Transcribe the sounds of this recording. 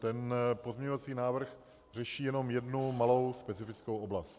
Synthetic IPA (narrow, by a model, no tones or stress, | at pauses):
t̪ɛnpo̞zmɲɛɲovat͡siːnaːvr̩x | r̝ɛʃiːjɛno̞mjɛdnumalo̞wspɛt͡sɪfɪt͡skowʔoblast̪